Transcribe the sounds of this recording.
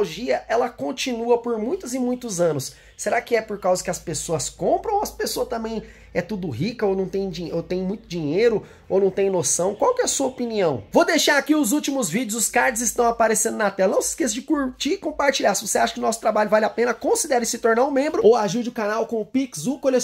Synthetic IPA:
oʒiɐʔɛlɐkõnt͡ʃinuɐpoɾmũj̃t̪ʊzɪmũj̃t̪ʊzɐ̃nʊs | seɾakɪɛpoɾkawzɐkɪɐspesoɐskõpɾɐ̃w̃ɐspesoɐt̪ɐ̃mbẽj̃ | ɛt̪ud̪ʊɦikɐonɐ̃w̃t̪ẽj̃d͡ʒĩot̪ẽj̃mũj̃t̪ʊd͡ʒiɲejɾʊ | o̰wnɐ̃w̃t̪ẽj̃nosɐ̃w̃kwawkɪɛsuɐopiniɐ̃w̃vod̪ejʃaɾakiʊzut͡ʃimʊzvid͡ʒɪʊzʊskaɾd͡ʒɪzɪst̪ɐ̃w̃apaɾesẽd̪ʊnat̪ɛlɐnɐ̃w̃sɪ̥skes̬ɐd͡ʒɪkuɾt͡ʃiɪkõpaɾt͡ʃiʎaɾsɪvoseaʃɐkɪʊnɔsʊ̥t̪ɾabaʎʊvalɪapẽnɐkõsid̪ɛɾɪsɪt̪oɾnaʊ̃mẽmbɾʊoaʒiɾd͡ʒɪʊkanawkõmʊpiksukole

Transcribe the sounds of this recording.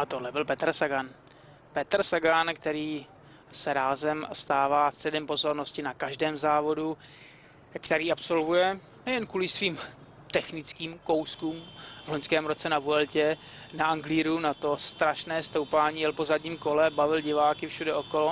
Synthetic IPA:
ʔat̪odlɛbɪlpɛt̪ɾsaɡan | pɛt̪ɾsaɡankt̪ɛɾiː | sɛɾaːzɛmst̪aːvaːst̪r̥ɛdɛmpo̞zo̞ɾno̞scɪnakaʒdɛːmzaːvo̞du | kt̪ɛɾiːapso̞lvujɛ | nɛjɛnkuːlɪsviːm | t̪ɛxnɪt͡skiːmko̞wskuːmvloɲskɛːmɾo̞t͡sɛnavuɛlcɛ | naaŋɡliːɾunat̪o̞st̪ɾaʃnɛːst̪owpaːɲiːjɛlpozadɲiːmko̞lɛbavɪlɟɪvaːkɪfʃudɛokolo

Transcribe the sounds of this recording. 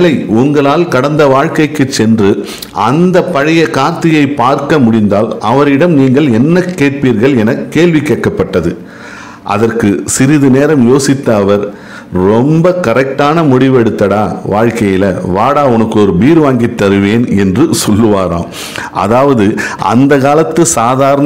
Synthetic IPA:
lɐɪʊŋɡɐɭaːlkɐɽɐnd̪ɐʋaːɻkɐɪkːɯt͡ʃːɛndrɯ | ʔɐnd̪ɐpːɐɻɐjɐkaːɾt̪ɪjɐɪpːaːɾkɐmʊɽɪnd̪aːlʔɐʋɐɾɪɽɐmniːŋɡɐɭɛnːɐkːeːʈ̚piːɾɣɐɭɛnɐkːeːɭʋɪkːeːʈːɐpːɐʈːɐðɯ | ʔɐ̰ðɐrkɯsɪɾɪðɯneːɾɐmjoːsɪt̪ːɐːʋɐɾ | ɾɔmbɐkɐɾɛk̚ʈaːnɐmʊɽɪʋɛɽɯt̪ːɐɽaːʋaːɻkɐjɪlɐʋaːɽaːʊnɐkːɯɔɾɯbiːɾɯʋaːŋɡit̪ːɐɾɯʋeːnɛndrɯsɔlːɯʋaːɾã̰ːm | ɐ̰ðaːʋɐðɯʔɐ̰nd̪ɐkaːlɐt̪ːɯsaːðaːɾɐn

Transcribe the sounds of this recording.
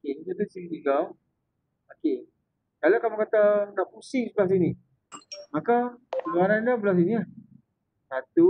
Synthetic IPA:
okekat̪əsiiiɡaw | oke | kalakamukat̪anaʔpusɪsblas̬ini | makaəluaɾandabəlas̬iniah | sat̪u

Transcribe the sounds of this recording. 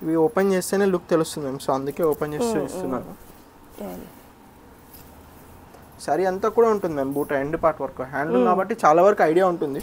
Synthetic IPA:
iʋioːpent͡ʃe̞ːst̪e̞ːneːlukt̪elust̪und̪imeːmsoːɐnd̪uke̞ːoːpent͡ʃe̞ːst̪uist̪unːaːnu | sɐɾiɐnt̪aːkuːɽaːuɳʈund̪imeːmbuːʈɐeɳɖipaːɾʈʋɐɾkuɦaːɳɖlukaːbɐʈːit͡ʃaːlaːʋɐɾɐkuɐjɽijaːuɳʈund̪i

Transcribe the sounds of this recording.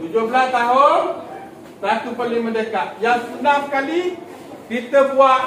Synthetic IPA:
t̪ud͡ʒobəlast̪aɦʊn | sat̪upəlɪŋmə̃ndəkaʔjaŋsənamkali | kit̪əbua

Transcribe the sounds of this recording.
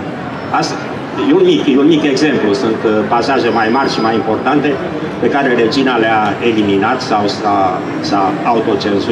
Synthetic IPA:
ast̪ | jeunmikjunmike̞ɡze̞mplusunt̪pasaʒe̞majmarʲʃimajimpo̞rt̪ant̪e̞ | pe̞kaɾe̞ɾe̞d͡ʒinaleae̞liminat̪sawsa | saaut̪o̞t͡ʃe̞nzu

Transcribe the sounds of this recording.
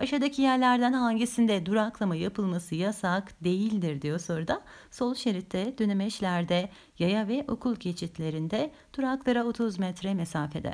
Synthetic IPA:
aʃad̪acʰijæɾlʲæɾd̪ænhaɲɟisind̪ɛd̪uɾaklˠamajapʰɯlˠmasɯjasakd̪e̞jilʲd̪iɾd̪ijoso̞ɾud̪a | so̞lˠʃe̞ɾit̪ʰːɛd̪ønymɛʃlʲæɾd̪ɛ | jajavɛʔo̞kʰulˠcʰe̞t͡ʃʰit̪lʲe̞ɾind̪ɛ | d̪̥uɾaklˠaɾaot̪ʰuzmɛt̪ɾɛmesaːfe̞d̪ɛ̰

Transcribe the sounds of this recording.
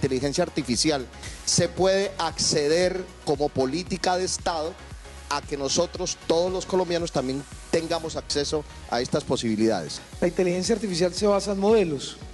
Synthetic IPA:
t̪elixe̞nsjaːɾt̪ifisjal | se̞pwe̞ðe̞ʔakse̞ðe̞ɾko̞mo̞po̞lit̪ikaðe̞ːst̪aðo̞ | ake̞no̞so̞t̪ɾo̞st̪o̞ðozlo̞sko̞lo̞mbjano̞st̪ambje̞nt̪e̞ŋɡamo̞sakse̞so | a̰e̞st̪aspo̞siβ̞iliða̰ð̞e̞̰slaint̪e̞lixe̞ns̬jaːɾt̪ifis̬jalse̞βasaenmoðe̞los

